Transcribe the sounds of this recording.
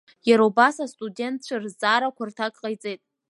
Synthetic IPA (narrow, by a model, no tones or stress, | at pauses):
jaɾowbasastʼude̞nt̚ʰt͡ʃʷʰarzaːɾakʷʰartʰakʼqʼajt͡sʼejtʼ